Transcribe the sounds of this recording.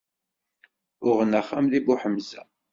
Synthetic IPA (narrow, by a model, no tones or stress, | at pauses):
ʊʁənæχːamðibuħəmzæ̰